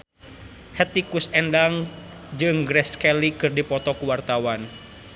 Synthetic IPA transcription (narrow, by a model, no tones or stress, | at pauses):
hɛt̪ikusɛndaŋ | d͡ʒɨŋɡɾɛskɛlikɨrdipɔt̪ɔkuwart̪awan